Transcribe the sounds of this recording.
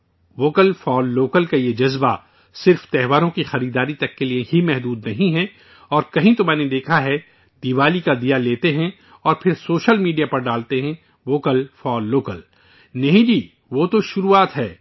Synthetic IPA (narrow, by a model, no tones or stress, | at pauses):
ʋoːkəlfɔːlːoːkəlkajed͡ʒɐzba | sɪɾft̪ɛɦʋaːɾõkixɐɾiːd̪aːɾit̪ɐkːelieɦimɛɦd̪uːd̪nɐɦĩɦɛ̃ | ɔːɾkɐɦĩt̪omɛ̃ːned̪eːkʰaɦɛ | d̪̥iʋaːlikad̪ijaleːt̪eɦɛ̃ | ɔːɾpʰɪɾsoːʃəlmiːɖijapɐɾɖaːlt̪eɦɛ̃ | ʋoːkəlfɔːlːoːkəl | nɐɦĩd͡ʒiː | ʋot̪oʃʊɾuːaːt̪ɦɛː